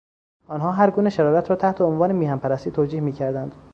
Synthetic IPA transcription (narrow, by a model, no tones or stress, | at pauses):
ɒːnɦɒːɦæɾɡuːneʃæɾɒːɾæt̪ɾɒːt̪ʰæht̪ʰeonvɒːnemiːhæmpʰæɾæst̪iːt̪ʰoːd͡ʒiːhmiːcʰæɾd̪ænd̪̥